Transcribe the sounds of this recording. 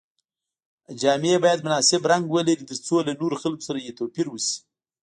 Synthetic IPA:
d͡ʒɑmɪebɑjad̪mʊnɑsɪbɾaŋɡwəlaɾit̪əɾt͡solanoɾoxalko̥saɾajet̪awpiɾwəsi̥

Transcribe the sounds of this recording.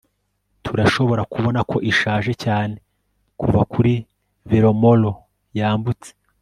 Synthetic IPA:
tʰuɾaʃo̞βo̞ɾakuβo̞nakʰo̞ʔiʃaːʒe̞caːne̞ | kʰuvakʰuɾi | viɾo̞mo̞lo̞ | jaːmbut͡se̥

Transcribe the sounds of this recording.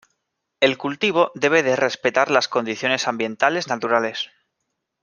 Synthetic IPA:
e̞lkult̪iβ̞o̞ðe̞β̞e̞ðe̞re̞spe̞t̪aɾlasko̞nd̪iθjo̞ne̞sambjẽ̞nt̪ale̞znat̪uɾale̞s

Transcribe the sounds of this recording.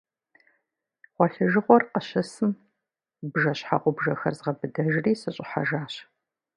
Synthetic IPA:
ʁʷɔɬɨʒɨʁʷɔrqəɕɐsɨm | bʒɐɕħa̰qʷʊbʒɐxɐ̰rzʁɐbɨdɐʒriːsɐɕʼɪħa̰ʒaːɕ

